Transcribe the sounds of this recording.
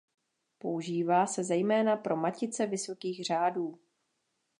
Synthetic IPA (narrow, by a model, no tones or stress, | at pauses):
po̞uʒiːvaːsɛzɛjmɛːnapɾo̞macɪt͡sɛvɪso̞kiːɣr̝aːduː